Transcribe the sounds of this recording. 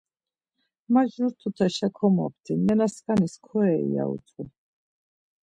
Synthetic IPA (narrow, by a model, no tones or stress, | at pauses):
maʒuɾt̪ʰut̪ʰɛʃakʰɔmɔ̰p̚ʰt̪ʰimɛnaskʼaniskʰɔɛḭa̰ṵt̪ʰʼi